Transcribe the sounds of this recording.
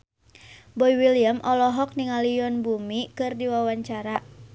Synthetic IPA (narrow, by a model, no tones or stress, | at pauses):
bɔiwiliəmʔɔlɔɦɔk̚niŋaliɔnbumikɨrdiwawaɲt͡ʃaɾa